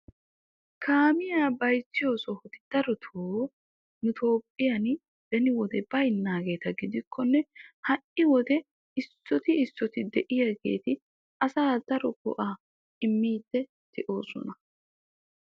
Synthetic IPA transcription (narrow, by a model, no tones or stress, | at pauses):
kʰaːmɪjaːbɐjt͡sːɪjo̞ːsɔhɔt̪ɪ̥d̪̥ɐɾɔt̪ʰoː | nʊt̪ʰo̞ːpʼːɪjɐn | d̪̥ɛnɪwɔd̪ɛbɐjnːaːɡe̞ːt̪ɐɡɪd̪ɪkʰːɔnːɛhɐʔɪwɔd̪ɛ | ɪsːɔt̪ɪːsːɔt̪ɪd̪ɛʔɪjaɡe̞̰ːt̪ɪ | ɐsaːd̪̥ɐɾɔɡʊ̰ʔaː | ɪmːiːd̪ːɛ | t̪ɪʔo̞ːsɔ̰nɐ